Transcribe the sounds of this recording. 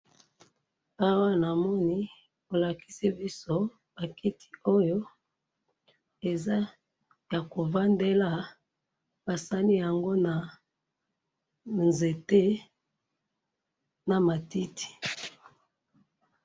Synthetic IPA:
a˦wa˦na˨mɔ˦ni˦ | o˨la˨ki̥˦se˦bi˦so˦ | b̥a˨ki˦tʰi̥˨o˦jo˦ | e˨za˦ | ja˨ko˨va˦nde˦la˦ | b̥a˨sa˦li˦ja˨ŋɡo˦na˨ | nze˨te˦ | na˨ma˨ti˦tʰi̥˨

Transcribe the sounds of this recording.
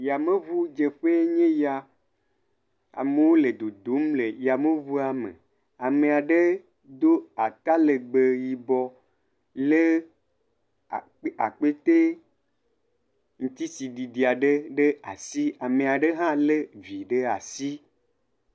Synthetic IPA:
ja˨mẽ˦vu˦d͡ʒe˨ɸe˦ɲẽ˦ja˨ | a̰˨me˨wo˦le˨d̪o˨d̪o˨˦mle˨ja˨me˦vu˦a˨mḛ̃˨ | a˨mẽ˨a˨ɖe˦ | d̪o˦a˨t̪a˦le˨ɡ͡be˨ji˨bɔ˦ | le˦˨˦ | a̰˨k͡pe˦t̪e˦ | ŋũ˦t̪i˦si˨ɖi˨ɖi˨a˨ɖe˦ɖe˦a̰˨si˦a˨mẽ˨a˨ɖe˦ɦã˦le˦vi˨ɖe˦a̰˨si˦

